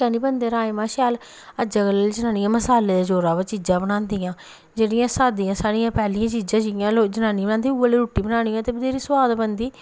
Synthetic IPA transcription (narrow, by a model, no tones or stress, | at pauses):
ãːniːbənd̪eːɾaːemãːʃjaːl | əd͡ʒəɡələld͡ʒənaːnɪjãːməsaːleːd̪ed͡ʒoːɾãːʋːt͡ʃiːd͡ʒãːbəɽãːnd̪ijãː | d͡ʒeːɽɪjãːsaːd̪ijãːsaːɽɪjãːpɛːlɪãːt͡ʃiːd͡ʒãːt͡ʃijãːloːd͡ʒənaːnibə̃naːnd̪iːuəliːɾuːʈːiːbənaːɽ̃ɪjãːt̪eːbɪd̪eːɾiːsʊwaːd̪bənd̪iː